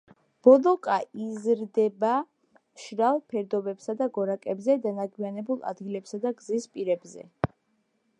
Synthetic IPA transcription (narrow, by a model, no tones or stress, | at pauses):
b̥ɔlɔkʼaizɾd̪ɛba | ʃɾalˠpʰɛɾd̪ɔbɛpsad̪aɡɔɾakʼɛbzɛd̪anaɡwianɛbulˠa̰d̪ɡilɛpsad̪aɡzispʼiɾɛbzɛ̰